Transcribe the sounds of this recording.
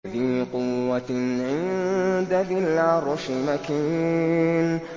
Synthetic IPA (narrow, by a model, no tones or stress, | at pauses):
fiːqʊːaʕɪnd̪aðɪlʕaɾˤʊʃɪmakiːn